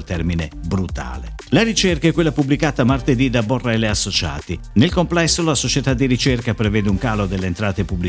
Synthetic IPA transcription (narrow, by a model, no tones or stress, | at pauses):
lt̪ɛrminebɾut̪a̰ːle | laɾit͡ʃerkaɛkːwelːapubːlikaːt̪amart̪ed̪id̪aborːaeleasːot͡ʃa̰ːt̪inelkomplɛsːolasot͡ʃet̪ad̪ːiɾit͡ʃerkapɾevɛːd̪euŋkaːlod̪elːeːnt̪ɾaːt̪epubli